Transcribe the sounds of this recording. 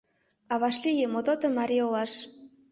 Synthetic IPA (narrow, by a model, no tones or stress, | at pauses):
ɑβɑʃlijemot̪ot̪omɑɾʲiolˠɑʃ